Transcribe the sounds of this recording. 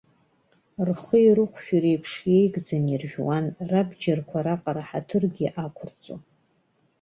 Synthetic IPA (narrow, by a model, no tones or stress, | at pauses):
rχəiɾɨqʷʃᶣuɾejpʰʂjejɡd͡zanirʒʲᶣwanrabd͡ʒarkʷʰaɾaqʼaɾaħatʰɨrɡʲiʔakʷʰʊrt͡sʼo̰